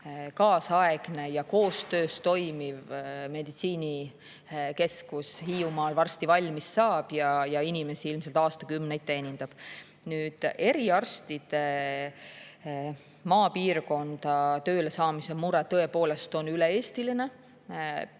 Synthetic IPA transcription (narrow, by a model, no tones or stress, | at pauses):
kɑːsɑeɡ̥ne̞jɑko̞ːst̪øːst̪o̞jmivmed̪it̪siːnʲi | ke̞skushiːumɑːlvɑrst̪ivɑlʲmisːɑːb̥jɑjɑinʲime̞siilmselt̪ɑːst̪ɑkymnejt̪ːˑeenʲind̪̥ɑb̥ | nyːd̪̥e̞ɾiɑrst̪id̪̥e̞ | mɑːpiːrko̞nd̪̥ɑt̪ø̞ːle̞sɑːmisemuɾɛt̪ːɤ̞e̞po̞ːle̞st̪o̞nylee̞ːst̪iline̞